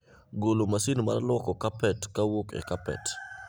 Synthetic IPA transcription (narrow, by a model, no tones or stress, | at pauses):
ɡolomasinma̰rlwɔkɔkapɛtkawokɛ̰kapɛ̰t